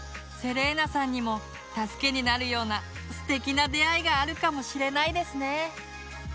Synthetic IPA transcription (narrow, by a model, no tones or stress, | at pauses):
se̞ɾe̞ːnasãɲ̟ːimo̞ | t̪asɨ̥ke̞ɲ̟inaɾɯ̟jo̞ːna | sɨ̥t̪e̞kʲinad̪e̞aiɡaːɾɯ̟kamo̞ɕiɾe̞naid̪e̞sɨne̞